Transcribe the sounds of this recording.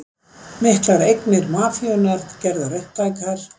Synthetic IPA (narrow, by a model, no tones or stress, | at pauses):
mɪhk̪laɾejknɪɾmaːfjœnaɾ̥cɛɾðaɾɛht̪ajkaɾ̥